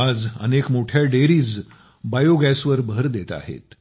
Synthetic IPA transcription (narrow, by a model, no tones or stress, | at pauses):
ad͡zə̰nekmoʈʰjaɖeɾiːd͡z | bajoɡɛsʋəɾbʱəɾd̪et̪a̰ɦḛt̪